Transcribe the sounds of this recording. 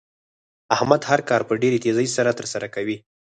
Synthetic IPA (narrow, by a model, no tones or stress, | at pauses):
ahmad̪haɾkɑɾpəɖeɾet̪ezəjsaɾat̪əɾsaɾakawi